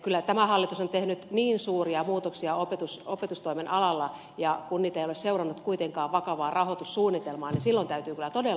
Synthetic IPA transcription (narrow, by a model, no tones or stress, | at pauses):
kylːæt̪æmæhɑlːit̪usont̪ehnyt̪niːnsuːriɑmuːt̪oksiɑopet̪usopet̪ust̪oimenʔɑlɑlːɑ | jɑkunniːt̪ejolesseurɑnːut̪kuit̪eŋkɑːʋʋɑkɑʋɑːrɑhot̪ussuːnːit̪elmɑːninsilːont̪æyt̪yːkylːˑæt̪ode